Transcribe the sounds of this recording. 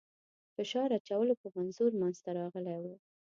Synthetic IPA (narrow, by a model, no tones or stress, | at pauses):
fɪʃɑɾat͡ʃawəlopəmanzuɾmanz̥t̪aɾɑɣəlajwu